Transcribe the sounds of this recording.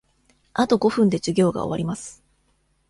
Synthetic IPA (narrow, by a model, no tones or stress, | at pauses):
at̪o̞ɡo̞ɸɯ̟̃nd̪ed͡ʑɨɡʲo̞ːɡa̰o̰aɾʲimasɨ̥